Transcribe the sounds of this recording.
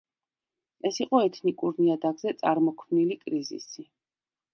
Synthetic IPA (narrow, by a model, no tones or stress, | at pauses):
ɛsiqʼɔɛt̪ʰnikʼuɾniad̪aɡzɛt̪sʼaɾmɔkʰmnilikʼɾizḭsi